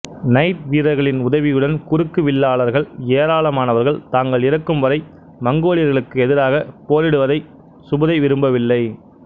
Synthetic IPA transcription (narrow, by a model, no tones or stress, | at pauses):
nɐɪt̪̚ʋiːɾɐɪɣɐɭɪnʊðɐʋɪjɯɽɐnkʊrɯkːɯʋɪlːaːɭɐɾɣɐɭeːɾaːɭɐmaːnɐʋɐɾɣɐɭt̪aːŋɡɐɭɪɾɐkːɯmʋɐɾɐɪ | mɐŋɡoːɭɪjɐɾɣɐɭɯkːɯɛðɪɾaːɣɐpoːɾɪɽɯʋɐðɐɪ | sʊbɐðɐɪʋɪɾɯmbɐʋɪlːɐɪ